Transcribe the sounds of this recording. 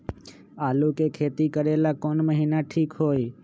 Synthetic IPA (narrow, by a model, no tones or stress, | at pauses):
aːlukekʰet̪ikəɾelakonməɦinaʈʰiːkɦoːj